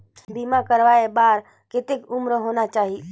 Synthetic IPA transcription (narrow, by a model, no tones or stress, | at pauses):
bimakəɾʋaebaːɾ | kɪt̪ekʊmɾəɦonat͡ʃaːɦi